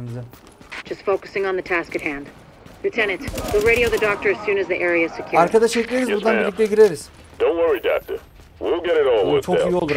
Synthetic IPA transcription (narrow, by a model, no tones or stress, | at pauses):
mzɪ̥ | d͡ʒ̥ʌstfoʊkɨ̥sɪ̃ŋə̃nðɨtʰæskɨt̚hæ̃nd̥ | lʉtʰɛnɨ̃ntwɨɹeɪɾioʊðɨdɔk̚tə˞ɨz̥sʉ̃nɨzðiʔɛɹiɨ̥sɨkʰjʊaɾkad̪aʃeclʲeɾizbuɾd̪anbillʲːik̚ct̪ɛɟiɾeɾiz̥ | d̥õʊ̃nwɜɹidɑ̰k̚tə˞ | wilˠɡɛɾɨɾɔlˠwt͡ʃʰokijo̞lˠd̪uɾ